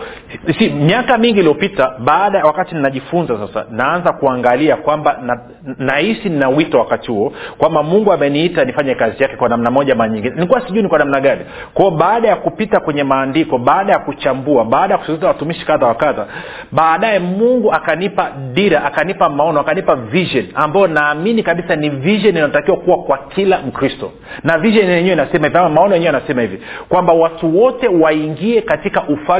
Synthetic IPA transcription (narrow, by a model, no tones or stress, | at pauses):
simjakamiŋɡiːlijɔpitaɓaːɗawakatininaʄifunzasasa̰naanzakuaŋɡaliakwambana | nahisininawitɔwakatihuɔkwambamuŋɡuamɛniitanifaɲɛkazijakɛkwanamnamɔʄamaɾaɲiŋɡinɛnikuwasiʄuinikwanamnaɠani | kwaɔɓaːɗajakupitakwɛɲɛmaːndikɔɓaːɗajakut͡ʃambuaɓaːɗajakusizawatumiʃi̥kaðawakaða | ɓaːɗajɛmuŋɡuakanipaɗiɾaʔakanipamaɔnɔakanipaviʒɔniambajɔnaːminikaɓisaniviʒɔninatakiwakuwakwakʰilam̩kɾistɔ | naviʒɔnɛɲɛwɛinasɛmahiviamamaɔnɔjɛɲɛwɛanasɛmahivikwambawatuwɔtɛwaiŋɡiɛkatikaʔufa